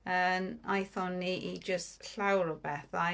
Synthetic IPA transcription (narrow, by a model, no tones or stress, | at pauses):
ənajθɔniʔid͡ʒəstɬawɾɔbɛθa